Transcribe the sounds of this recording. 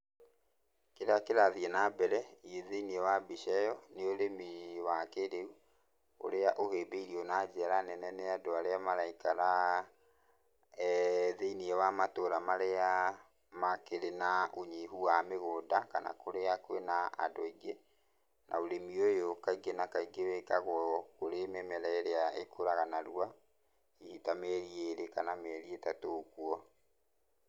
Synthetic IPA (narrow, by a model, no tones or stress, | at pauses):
keɾakeɾaðiɛnabɛɾɛieðeiniɛwabiʃɛjɔneoɾemiwakeɾeu | o̰ɾeaʔoheːbeiɾiɔnad͡ʑɛɾanɛnɛneadoaɾeamaɾaikaɾa | ðeiniɛwamatoɾamaɾea | makeɾenaʔoɲehuwameɣoːdaka̰na̰koɾeakwenaa̰doiɡe | nʔa̰oɾemiojokaiɡenakaiɡewɛkaɣɔkoɾememɛɾɛeɾeaekoɾaɣanaɾua | ihitamɛɾieɾekanamɛɾietatoːkuɔ